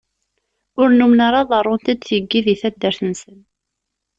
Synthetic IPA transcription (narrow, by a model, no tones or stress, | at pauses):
ʊɾnumnaɾˤɑðˤɑrˤːʊnt̪æd̪θjəɡːiðiθæd̪ːæɾθənsən